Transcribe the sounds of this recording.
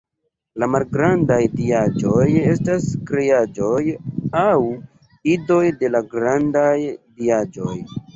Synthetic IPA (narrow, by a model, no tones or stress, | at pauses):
lamalɡɾandajdiad͡ʒo̞je̞staskɾejad͡ʒo̞jaw | ido̞jde̞laɡɾandajdiad͡ʒo̞j